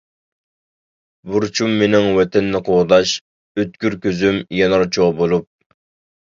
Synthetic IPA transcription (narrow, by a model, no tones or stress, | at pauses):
buɾt͡ʃʰumːenɪŋwɛt̪ʰɛnːɪqʰoʁd̪ɑʃ | øt̪kʲyɾkʲøzymjɛnɑɾt͡ʃʰoʁbolˠup̚